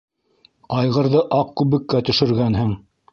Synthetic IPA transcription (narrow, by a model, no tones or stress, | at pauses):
ɑjʁɤ̆ɾðɤʔɑq̚kʉβɘ̆kːæt̪ɵ̆ʃɵ̆ɾɡænɦɘŋ